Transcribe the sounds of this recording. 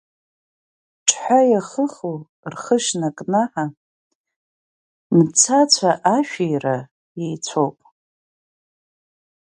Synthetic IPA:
ʈ͡ʂʰʼħʷajaχəχo | rχəʃnakʼnaħa | mt͡sʰat͡sʷʰaʔaʃᶣejra | jejt͡sʷʰowpʼ

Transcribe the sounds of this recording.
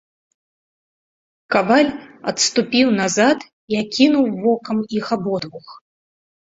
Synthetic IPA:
kavalʲɐt̪st̪upʲiwn̪azat̪ | iakʲʰinuwvɔkɐmixabɔd̪vux

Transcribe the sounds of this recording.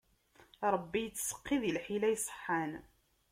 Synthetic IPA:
ɾˤəbːijət͡sːsə̥qːiðilħilæjsˤə̥ħːan

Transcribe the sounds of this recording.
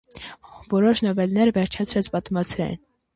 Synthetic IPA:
vɔɾɔʃnɔvɛlnɛɾvɛɾt͡ʃʰɛt͡sʰɾɛt͡sʰpɑt̪umɑt͡sʰɾɛ̰n

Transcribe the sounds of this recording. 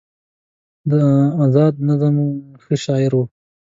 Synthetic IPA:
d̪əazɑːd̪̚nazamuxəʃɑɪɾwu

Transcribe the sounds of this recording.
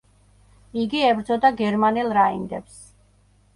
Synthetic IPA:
iɡiɛbɾd̪zɔd̪aɡɛɾmanɛlˠɾaind̪ɛps

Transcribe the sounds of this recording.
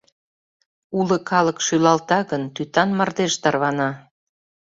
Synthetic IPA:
ulə̆kɑləkʃylɑlt̪ɑɣənt̪yt̪ɑnmɑrd̪eʃt̪ɑrβɑnɑ

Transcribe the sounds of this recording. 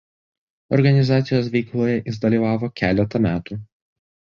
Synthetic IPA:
ɔɾɡɐnʲɪzɑːt̪sʲɪjoːsʋʲɛɪklˠuːjɛʔɪzd̪ɐlʲiːʋɑːʋoːkʲæːlʲɛt̪ɐmʲæːt̪uː

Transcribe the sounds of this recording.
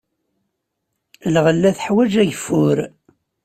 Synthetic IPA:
lʁəlːæθħwæd͡ʒæʝfʊɾ

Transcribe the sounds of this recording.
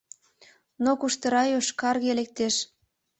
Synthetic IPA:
nokuʃt̪ə̆ɾɑjoʃkɑrɣelek̚t̪eʃ

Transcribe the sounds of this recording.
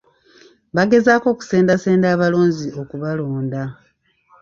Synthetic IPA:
βaɡe̞zaːko̞ːku̥se̞ːndaseːndaːβalo̞ːɲzio̞kuβalo̞ːnda

